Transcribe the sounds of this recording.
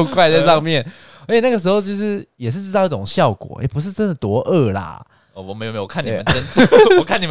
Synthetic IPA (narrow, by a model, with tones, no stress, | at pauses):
kwa˥˧ɪt͡sa˥˧ɪʂɑ˥˧ŋmjɛ˥˨n | ə˧˥t͡ɕʰjna˥ɡə˩ʂ̬̩˧˥xo˥˧ʊt͡ɕjo˥˧ʊʂɻ̩˥˩jɛ˨˩ʂɻ̩˥˩ʈ͡ʂɻ̩˥˧ʊi˥˩ʈ͡ʂʊ˨˩ŋɕjɑ˥˩ʊkwɔ̰˨˩ḛ˥˩pu˧˥ʂ̬ɻ̩˥˩ʈ͡ʂə˥nd̪ə˨˩t̪wɔ˧˥ʔə˥˩la̰˨˩ | ɔ˩wɔ˨˩me˧˥jme˧jo˨˩kʰntːni˨˥˨mə˦nʈ͡ʂə˥˦nt͡sɔ˨˩kʰa˥˨ni˨˩